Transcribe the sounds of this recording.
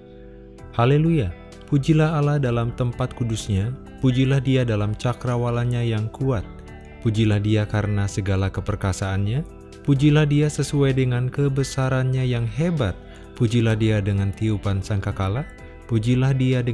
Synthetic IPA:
haleluja | pud͡ʒilahalahdalamt̪əmpat̪̚kudusɲa | pud͡ʒilahdiadalamt͡ʃakɾawalaɲajaŋkuat̪̚ | pud͡ʒilahdiakaɾənasəɡalakəpərkasaːnɲa | pud͡ʒilahdiasəsuajdəŋankəbəsaɾanɲajaŋɦebat̪̚ | pud͡ʒilahdiadəŋant̪iupansaŋkakala | pud͡ʒilahdiadə

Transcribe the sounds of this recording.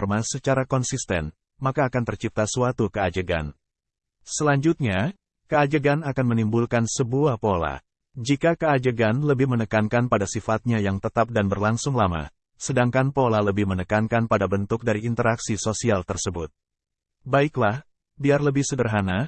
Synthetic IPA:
rmasət͡ʃaɾakɔnsist̪ɛ̰n | makaːkant̪ərt͡ʃip̚t̪asuat̪ukəad͡ʒəɡa̰n | səlaɲd͡ʒut̪̚ɲa | kəad͡ʒəɡanakanmənimbulkansəbuahpola̰ | d͡ʒikakəad͡ʒəɡanləbɪhmənəkankanpadasifat̪̚ɲajaŋt̪ət̪ap̚danbərlaŋsʊŋlama̰ | sədaŋkanpolaləbɪhmənəkankanpadabənt̪ʊk̚daɾiint̪əɾaksisosialt̪ərsəbʊt̪̚ | baiklah | biarləbɪhsədərɦana

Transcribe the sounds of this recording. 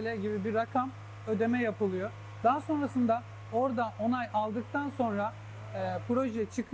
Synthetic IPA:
lʲɛɟibibiɾːakʰam | ø̞d̪e̞mɛjapɯlˠɯjo | d̪̥aɦaso̞nɾasɯnd̪a | o̞ɾd̪aʔo̞najʔalˠd̪ɯk̚t̪ʰanso̞nɾa | pʰɾo̞ʒɛt͡ʃʰɯkʰ

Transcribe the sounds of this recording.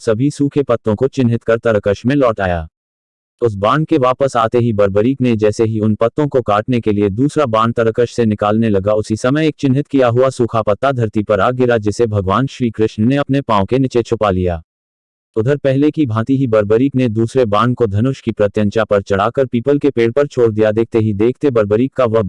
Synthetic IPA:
sɐbʱisuːkʰepɐt̪ːõkot͡ʃɪnɦɪt̪kɐɾt̪ɐɾəkəʃmẽlɔːʈa̰ːjaː | ʊs̬bãːɳɖkeʋaːpəsaːt̪eɦibɐɾbəɾiːkned͡ʒɛːseɦiʊnpɐt̪ːõkokaːʈnekelied̪uːsɾabãːɳɖ̚t̪ɐɾəkəʃsenɪkaːlnelɐɡaʊsisɐməjeːk̚t͡ʃɪnɦɪt̪kijaɦuasuːkʰapɐt̪ːad̪ʱɐɾt̪ipɐɾaːɡɪɾad͡ʒɪsebʱɐɡʋaːnʃɾiːkɾɪʃnneɐpnepãːõkenɪt͡ʃet͡ʃʰʊpalijaː | ʊd̪ʱəɾpɛɦlekibʱãːt̪iɦibɐɾbəɾiːkned̪uːsɾebãːɳɖkod̪ʱɐnʊʃkipɾɐt̪jə̃ɲt͡ʃapɐɾt͡ʃɐɽ̤aːkəɾpiːpəlkepeːɽpɐɾt͡ʃʰoːɽd̪ijad̪eːk̚ʰt̪eɦid̪eːkʰt̪ebɐɾbəɾiːkːaʋɐd̪

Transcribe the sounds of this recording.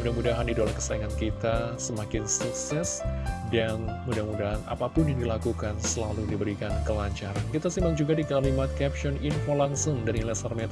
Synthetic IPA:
mudahmudaɦandidolakə̥saiŋankit̪asəmakɪnsuk̚sɛsdanmudahmudaɦana̰papʊnjaŋdilakukansəlaludibəɾikankəlaɲt͡ʃaɾankit̪asimaŋd͡ʒuɡadikalimat̪̚kɛp̚ʃɔninfolaŋsɔndanilɛsərmɛt̪

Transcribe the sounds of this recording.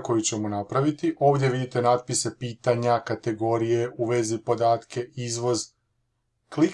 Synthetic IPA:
ko̞jut͡ɕe̞monapɾaʋit̪iʔo̞ːʋd̪ʲje̞ʋid̪it̪e̞naːd̪̚pise̞piːt̪aɲakat̪e̞ɡo̞ɾije̞uʋe̞zipo̞d̪aːt̪kʰe̞izʋo̞z | klik

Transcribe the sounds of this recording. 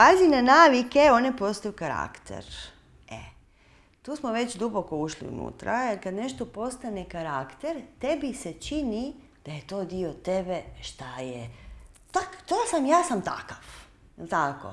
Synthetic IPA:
pazinanaːʋike̞o̞ne̞po̞st̪ajukaɾa̰kt̪ḛɾ | ḛ | t̪uːsmoʋe̞t͡ɕd̪uboko̞uʃlḭṵnṵːt̪ɾʔajelkad̪ne̞ʃt̪opo̞st̪anekaɾakt̪eɾt̪e̞bise̞t͡ʃini | d̪̥aje̞t̪o̞ːd̪iot̪ebe̞ʃt̪ajet̪akt̪oːsamjaːsamt̪a̰kaf | t̪ako̰

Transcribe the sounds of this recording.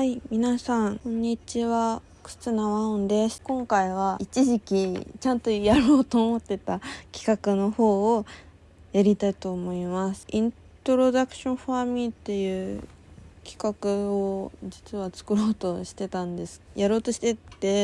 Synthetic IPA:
haimʲinasãŋkõ̞ɲ̟ːit͡ɕiβa | kɯ̥t͡sɨnaβaõnd̪e̞skõ̞ŋkaiβait͡ɕiʑikʲit͡ɕãnt̪o̞jaɾo̞ːt̪o̞ːmo̞t̪ːe̞t̪akʲi̥kakɯ̟no̞ho̞ː | jaɾʲit̪ait̪o̞ːmo̞imasɨ̥ĩn | t̪o̞ɾo̞d̪akɯ̟̥ɕõ̞ɸamʲĩt̪ːe̞jɯ̟ː | kʲi̥kakɯ̟od͡ʑit͡sɨβat͡sɨ̥kɯ̟ɾo̞ːt̪o̞ɕi̥t̪e̞t̪ãnd̪e̞sɨ̥jaɾo̞ːt̪o̞ɕi̥t̪e̞tt̪ːe̞

